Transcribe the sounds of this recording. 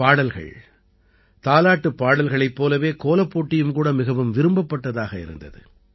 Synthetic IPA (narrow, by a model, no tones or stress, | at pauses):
paːɽɐlɣɐ̰ɭ | t̪aːlaːʈːɯpːaːɽɐlɣɐɭɐɪpːoːlɐʋeːkoːlɐpːoːʈːɪjɯmkuːɽɐmɪɣɐʋɯmʋɪɾɯmbɐpːɐʈːɐðaːɣɐɪ̰ɾɯ̰nd̪ɐ̰ðɯ̰